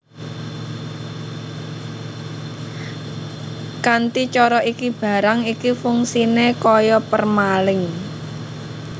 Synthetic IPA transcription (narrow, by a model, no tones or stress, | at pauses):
kant̪it͡ʃɔɾɔʔikib̥a̤ɾaŋikifuŋsinekɔjɔpərmalɪŋ